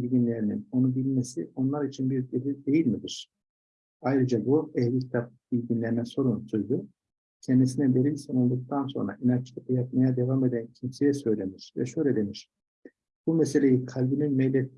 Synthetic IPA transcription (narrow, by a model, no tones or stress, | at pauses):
iɟinlʲe̞ɾinino̞nubilʲme̞sio̞nlˠaɾit͡ʃʰinbiɾd̪eɾild̪e̞jilʲmid̪iɾ̥ | ajɾɯd͡ʒabuɛhlʲicʰi̥t̪ʰap̚bilʲɟʲinlʲeɾinɛso̞ɾunsujd̪u | cʰɛnd̪isinɛd̪e̞ɾilʲsonolˠd̪uk̚t̪ʰanso̞̰nɾa̰ʔinant͡ʃʰlˠɯk̪ɯjap̚majad̪e̞vame̞d̪æncʰimse̞jɛsø̞jlʲe̞miɾ̥vɛ̰ʃø̞jlʲed̪e̞miɾ̥ | b̥umɛse̞lʲe̞jikʰalʲbininmɛjlʲɛt̪